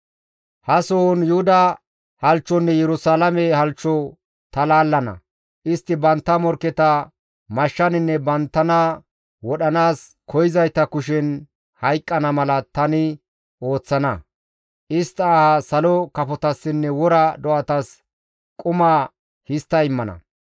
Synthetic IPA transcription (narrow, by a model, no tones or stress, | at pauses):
hɐsoːnjʊhʊd̪ɐ | hɐlt͡ʃːɔnːɛjɛɾʊsaːlɐmɛhɐlt͡ʃːɔ | t̪ɐlaːlːɐnɐ̰ | ʔɪst̪ːɪbɐnt̪ːɐmɔɾkːɛt̪ɐ | mɐʃːɐnɪnːɛbɐnt̪ːɐnɐ | wɔɗɐnaːs | kʰɔjɪzɐjt̪ɐkʊʃ̬ɛn | hɐjkʼːɐnɐmɐlɐt̪ɐnɪ | o̞ːt͡sːɐnɐ | ʔɪst̪ːɐːhɐsɐlɔkɐfɔt̪ɐsːɪnːɛwɔɾɐd̪ɔʔɐt̪ɐs | kʼʊma | hɪst̪ːɐɪmːɐnɐ̰